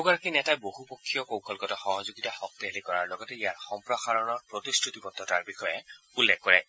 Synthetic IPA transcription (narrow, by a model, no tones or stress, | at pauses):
ɡɔɹakinɛtajbohupokʰːijɔkowkʰɔlkɔtɔxɔɦɔzuɡitaxɔk̚tiɦelikɔɹaɹlɔɡɔtɛijaɹxɔmpɹɔxaɹɔnɔɹpɹotistʰɹutipɔtːɔtaɹbixɔjɛ | ulːekkɔɹɛ